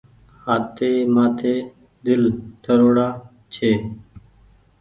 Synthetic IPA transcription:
haːt̪ʰeːmãːt̪ʰeː | d̪ɪlʈʰəɾoːɽaː | t͡ʃʰeː

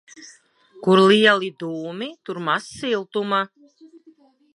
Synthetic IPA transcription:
kuɾliɛlˠid̪uːmit̪uɾmasːilˠt̪uma

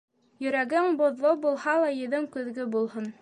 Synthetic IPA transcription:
jɵ̆ɾæɡɘŋbŏðlˠobulˠhɑlˠɑjɘ̆ðɘŋkɵ̆ðɡɵbulˠhɤn

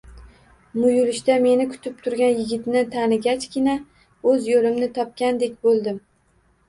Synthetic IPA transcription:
mʊjʊlɪʃt̪ame̞nɪkʰʊ̥t̪ʰɪp̚t̪ʰʊɾɡʲanjɪɡʲɪt̪nɪt̪ʰanɪɡʲat͡ʃkʲɪna | ɵzjolɪmnɪt̪ʰɒp̚kʲand̪e̞kʲbolˠd̪ɪm

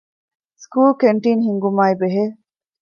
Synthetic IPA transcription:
skuːlkeɳʈiːnhiŋɡumaːibeɦeː

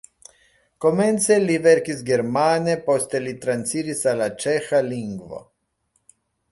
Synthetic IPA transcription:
komɛnt̪sɛlivɛɾkizɡɛɾmanɛpost̪ɛlit̪ɾant̪siɾisalat͡ʃɛxaliŋɡʋo̰

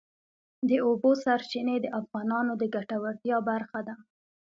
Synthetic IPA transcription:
d̪əobosaɾt͡ʃined̪əʔafɣɑnɑnod̪əɡaʈawaɽt̪jɑbaɾxad̪a

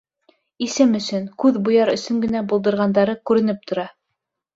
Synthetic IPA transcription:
isɘmɵ̆sɵnkʉðbŏjɑɾɵ̆sɵŋɡɘ̆næbulˠd̪ɤ̆ɾʁɑnd̪ɑɾɤkʉɾɘ̆nɘp̚t̪ŏɾɑ

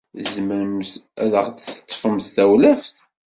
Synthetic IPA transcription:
zməɾəmθæðəʁθə̥t̪ˤːfəmθθæwlæfθ

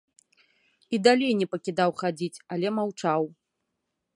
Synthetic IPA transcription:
id̪alʲejnʲɛpɐkʲid̪awxad͡zʲit͡sʲalʲɛmawt͡ʂaw

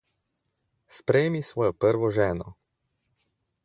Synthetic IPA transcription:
spɾɛjmisʋɔːjɔpəɾʋɔʒɛːnɔ

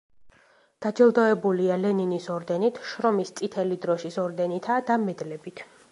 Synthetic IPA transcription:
d̪̥ad͡ʒɛlˠd̪ɔɛbulialɛninisɔɾd̪ɛnit̪ʰʃɾɔmist̪sʼit̪ʰɛlid̪ɾɔʃisɔɾd̪ɛnit̪ʰad̪amɛd̪lɛbit̪ʰ

